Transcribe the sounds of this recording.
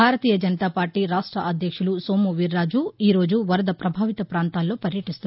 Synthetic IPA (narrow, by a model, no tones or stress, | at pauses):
aːɾɐt̪iːjɐd͡ʒɐnɐt̪aːpaːɾʈiːɾaːʂʈɾɐʔɐd̪ʱjɐkʂulusoːmuʋiɾːaːd͡ʒuiːɾo̞ːd͡ʒuʋɐɾɐd̪ɐpɾɐbʱaːʋit̪ɐpɾaːnt̪aːlːo̞ːpɐɾjɐʈist̪u